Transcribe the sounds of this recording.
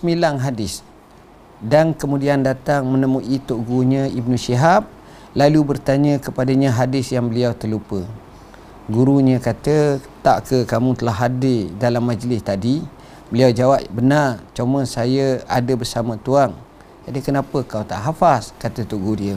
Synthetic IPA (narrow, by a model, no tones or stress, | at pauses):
səmilaŋɦadɪs | dankəmudiandat̪aŋmənəmuʔit̪oʔɡuɲəib̚nũsiɦap̚ | lalubərt̪aɲə̃kəpadaɲə̃ɦadɪsjaŋbəliawt̪ərlupə | ɡuɾuɲə̃kat̪ət̪aʔkəkamũt̪əlaɦadɪdalamːad͡ʒlɪst̪adi | bəliawd͡ʒawap̚bənart͡ʃomə̃sajəa̰dəbərsamə̃t̪uaŋ | adikənapəkawt̪a̰ʔɦafaskat̪ət̪oʔɡudiə